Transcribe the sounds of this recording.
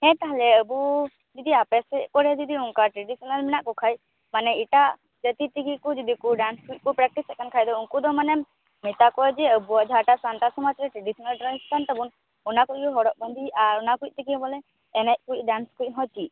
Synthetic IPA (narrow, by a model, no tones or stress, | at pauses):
hɛ̃t̪aɦlɛəbu | d͡ʒid̪iapɛsɛʔkɔɾɛd͡ʒid̪iuŋkaʈɾeɖisɔnalmɛnaʔkɔkʰaj | manɛiʈa | d͡ʒət̪it̪ikikɔd͡ʒəd̪ikɔɖanskɾit̪̚kɔpɾɛk̚ʈisɛkankʰajd̪ɔuŋkɔd̪ɔmanɛm | mit̪akɔɛd͡ʒɛəbuad͡ʒʱaʈasant̪asɔmat͡ʃɾɛʈɾeɖisɔnalʈɾanist̪ʰant̪əbun | ɔnakɔɡɔɦɔɽɔʔ̚bənd̪ʱiʔaɾɔnakuit̚ˀt̪ikibɔlɛː | nɛc̚kut̚ˀɖanskuɾit̚ˀɦɔt͡ʃi